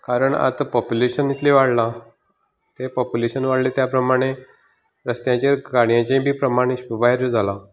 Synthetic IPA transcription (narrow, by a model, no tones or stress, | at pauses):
kaɾəɳa̰t̪pɔpjuleɕənːit̪leʋaɽla | t̪epɔpjuleɕənʋaɽlet̪japɾəmaɽ̃e | ɾəst̪jãt͡ɕeɾɡaɽ̃jãt͡ɕẽbʱiːpɾəmaɽ̃iɕbaɦeɾəd͡zʱala